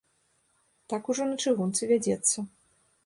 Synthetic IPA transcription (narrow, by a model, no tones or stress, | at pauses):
t̪akuʐɔnɐt͡ʂɨɣunt̪sɨvʲad͡zʲɛt̪sːɐ